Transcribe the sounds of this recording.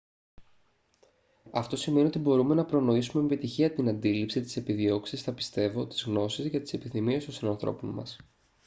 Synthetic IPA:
ɐft̪o̞sime̞nio̞t̪̬ibo̞ɾume̞nɐpɾo̞no̞isumemepit̪içiɐt̪inɐnd̪ilipsit̪i̥se̞piðio̞ksisθɐpi̥st̪e̞vo̞t̪i̥zɣno̞sizʝɐt̪i̥se̞piθimie̞st̪osinɐnθɾo̞̰ponmɐ̰s

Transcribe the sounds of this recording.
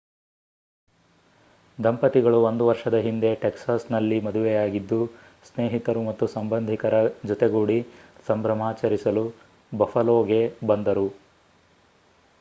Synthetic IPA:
d̪ɐmpɐt̪iɡɐɭuond̪uʋɐɾʂɐd̪ɐɦind̪e̞ʈeksaːsnɐlːimɐd̪uʋɛjaːɡid̪ːu | sneːɦit̪ɐɾumɐt̪ːusɐmbɐnd̪ʱikɐɾɐd͡ʒɔt̪eɡuːɽisɐmbɾɐmaːt͡ʃɐɾisɐlu | bɐfɐlɔːɡe̞bɐnd̪ɐɾu

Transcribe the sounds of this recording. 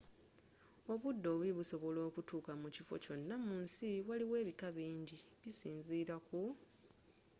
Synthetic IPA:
o̞βudːo̞ːβiβuso̞βo̞lo̞ːkutuːkamucifo̞̰co̞nːamuːnsiwaliwe̞ːβikaβiːɲɟiβisiːnziːɾaku

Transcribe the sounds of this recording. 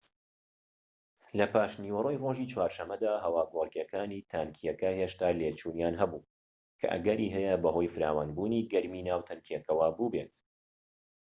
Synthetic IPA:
lɐpaːʃniːwɐroːjroːʒit͡ʃʰwaːɾʃɐmːɐd̪aːɦɐwaːɡolˠkjɐkaːniːt̪ʰaːnkʰijɐkɐheːʃt̪aːleːt͡ʃuːnjaːnɦɐbuː | kʰɐ̰ʔɐ̰ɡɐɾiːɦɛjɐbɐɦo̞jfɨɾa̰ːwanbuːniːɡɐɾmiːnaːwt̪ʰɐnkʰiekɐwabubeːt̪

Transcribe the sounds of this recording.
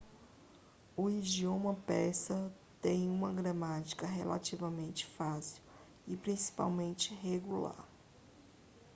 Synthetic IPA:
ʊid͡ʒiõmɐpɛsɐ | t̪ẽj̃ũmɐɡɾɐmat͡ʃi̥kɐɦelʔa̰t͡ʃivɐmẽnt͡ʃɪ̥fasiw | ɪpɾĩsi̥pa̰wmẽnt͡ʃɪɦeɡula̰ɾ

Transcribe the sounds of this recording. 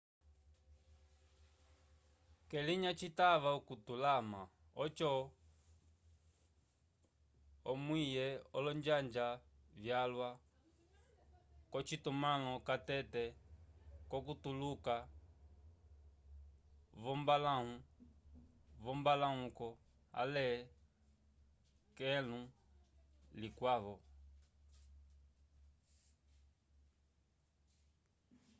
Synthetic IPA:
kɛliɲat͡ʃitaβaukutulama | ɔt͡ʃɔ | ɔmwijɛɔlɔɲd͡ʒaɲd͡ʒavjalwa | kɔt͡ʃitumalɔkatɛtɛ | kɔkutuluka | βɔmbalau | βɔmbalaɦukɔ | a̰lɛ | kɛlu | likwaβɔ

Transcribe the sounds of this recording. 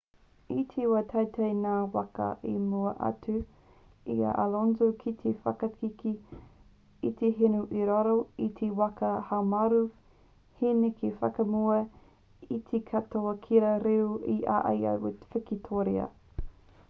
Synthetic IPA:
it̪ʰewatʰɐwtʰɐjnaːwakɐ̰ʔimuɐʔa̰tu | ia̰ʔalonzokʰit̪ʰefɐ̰kɐkʰiki | it̪eɦenuʔiɾaɾoitʰewɐkɐhamaɾu | henekʰefɐ̰kɐmuɐ | it̪ʰekʰatoɐkʰiɾɐɾiwiʔa̰ʔɐ̰ja̰fɪkitʰoɾeɐ̰

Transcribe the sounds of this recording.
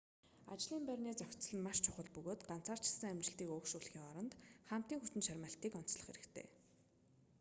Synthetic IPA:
a̰t͡ɕɮiːmpærʲneːt͡saw̥ʲt͡sɮə̆nmaʃt͡ɕʰʊχə̆ɮpɵɣoːt̪ɢan̥t͡sʰaːr̥t͡ɕɪ̆ɮsə̆ŋæmʲt͡ɕɪ̆ɬt̪iːkoːkʃuɮxiːŋɔɾɞ̆nt̪χam̥t̪iːŋxut̪ɘ̆nʃaɾʲmaːɬt̪iːkɔn̥t͡sɮə̆χxḛɾɘ̆kt̪ʰḛː

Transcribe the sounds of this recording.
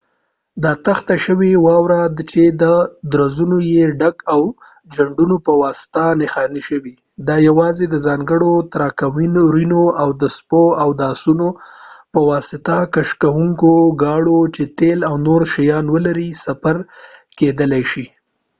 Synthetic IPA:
d̪ɑt̪axt̪aʃəwewɑwɾad̪t͡ʃed̪əd̪ɾazunojeɖakaw | d͡ʒaɳɖunopəwɑsɪ̥t̪anexɑniʃəwi | d̪ɑjawɑzed̪əzɑŋɡəɽot̪aɾɑkawinoɾinoawd̪əspoawd̪ɑsunopəwɑsɪt̪akaʃkawuŋkoɡɑɽot͡ʃet̪elawnoɾʃajɑnwəlaɾisafaɾked̪əlajʃi

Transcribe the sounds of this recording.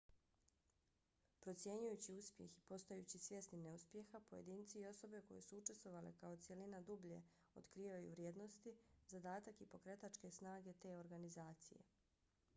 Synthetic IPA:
pɾo̞t̪sje̞ɲujut͡ɕiuspje̞̰xipo̞st̪ojut͡ɕisje̞st̪nine̞uspje̞xapoje̞̰d̪iːnt̪siio̞so̞be̞ko̞jesuut͡ʃe̞st̪ʋo̞ʋale̞kao̞t̪sje̞linad̪ubʎe̞̰ | o̞t̪kɾiːʋajṵʋɾjeːd̪no̞st̪izad̪aːt̪akipo̞kɾe̞t̪at͡ʃke̞snaːɡe̞t̪e̞o̞ɾɡanizaːt̪sḭje̞̰

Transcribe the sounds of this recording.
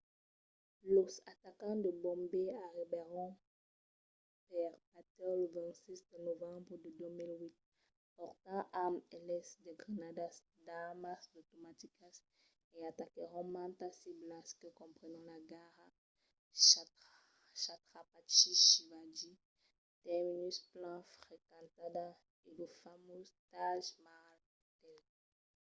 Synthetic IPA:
losat̪akɑ̃d̪əbɔ̃mbeaʁibeʁɔ̃ | pɛʁpat̪ɛləvɛ̃nt̪sisd̪ənovɑ̃bʁəd̪əd̪ømilwit̪̚ | pɔʁt̪ãʔamɛlɛsd̪əɡʁanad̪as | d̪amasd̪ot̪omat̪ikas | eat̪akeʁɔmãt̪asiblaskekɔ̃mpχenɔ̃laɡaʁa | ʃ | ʃat̪χapat͡ʃiʃivad͡ʒi | t̪ɛminysplãfχekãt̪ad̪a | ed̪ufamozt̪aʒmaʁa | t̪ɛl

